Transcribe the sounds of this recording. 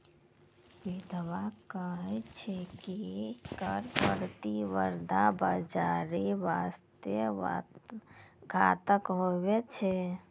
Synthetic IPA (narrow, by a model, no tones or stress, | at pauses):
ʋid̪ʱʋakəɦɛt͡ʃʰɛkikəɾpəɾt̪iʋəɾd̪ʱabəd͡ʒaɾeʋast̪jə | ɡʱat̪əkɦowet͡ʃʰɛ